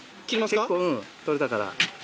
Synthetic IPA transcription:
kiɾimakekːoɯ̃t̪oɾet̪akaɾa̰

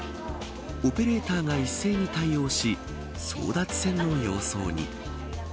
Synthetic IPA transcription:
o̞pe̞ɾe̞ːt̪aːɡaisːe̞ːɲ̟it̪aio̞ːɕi | so̞̰ːd̪at͡sɨ̥sẽ̞nːo̞jo̞ːso̰ːɲ̟ḭ

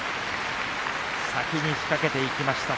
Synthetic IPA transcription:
sakʲiɲ̟içi̥kake̞t̪e̞ikʲimaɕi̥t̪a

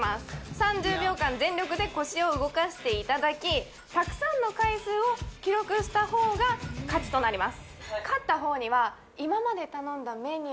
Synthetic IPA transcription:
asɨ̥sãɲ̟d͡ʑɨːbʲo̞ːkãnzẽ̞nɾʲo̞kɯ̟d̪e̞ko̞ɕio̞ɯ̟ɡo̞kaɕi̥t̪e̞it̪ad̪akʲi | t̪akɯ̟̥sãnːo̞kaisɨːo̞kʲiɾo̞kɯ̟ɕi̥t̪aho̞ːɡakat͡ɕi̥t̪o̞naɾʲimasɨ̥kat̪ːaɦo̞ːɲ̟iβa | imamad̪e̞t̪anõ̞nd̪ame̞ɲ̟i

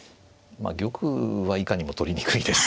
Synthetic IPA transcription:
ma̰ɡʲo̞kɯβaikaɲ̟imo̞t̪o̞ɾʲiɲikɯ̟id̪e̞sɨ̥

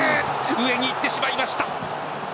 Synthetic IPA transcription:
ɯe̞ɲ̟iːt̪ːe̞ɕimaimaɕi̥t̪a

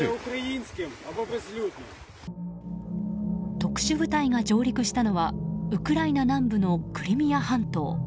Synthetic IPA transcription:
ukɾainskʲemababɾezlʲuːz | t̪o̞kɯ̟̥ɕɨbɯ̟t̪aiɡad͡ʑo̞ːɾʲikɯ̟ɕi̥t̪ano̞βaɯ̟kɯ̟ɾainanãmbɯ̟no̞kɯ̟ɾʲimʲiahãnt̪o̞̰ː

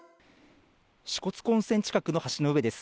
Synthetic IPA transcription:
ɕi̥ko̞t͡sɨ̥kõ̞ɰ̃sẽ̞ɲ̟t͡ɕi̥kakɯ̟no̞haɕino̞ɯ̟e̞d̪e̞sɨ̥

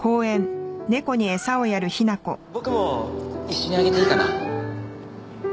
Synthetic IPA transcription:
ko̞ːẽ̞nne̞ko̞ɲ̟ie̞sao̞jaɾɯ̟çinako̞bo̞kɯ̟mo̞iɕːo̞ɲ̟iaɡe̞t̪eikaɾa

